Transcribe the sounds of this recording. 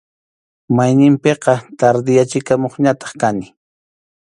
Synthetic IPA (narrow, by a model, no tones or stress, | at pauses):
majnɪmpeqɑt̪aɾd̪ɪjat͡ʃɪkamoχɲat̪ɑ̥χkanɪ